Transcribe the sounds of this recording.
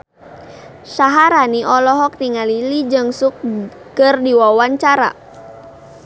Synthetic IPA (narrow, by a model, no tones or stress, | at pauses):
saɦaɾaniʔɔlɔɦɔk̚niŋalilid͡ʒɨŋsuk̚ | kərdiwawaɲt͡ʃaɾa̰